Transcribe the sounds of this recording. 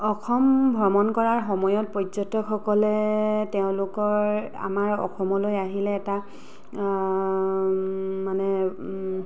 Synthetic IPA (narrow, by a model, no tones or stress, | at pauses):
ɔxʰɔmbʱɹɔmɔnkɔɹaɹxɔmɔjɔt̚pɔjzɔtɔxɔkɔlɛteʊ̃lʊkɔɹa̰maɹɔ̰xʰɔmɔlojaɦilɛːta | manɛ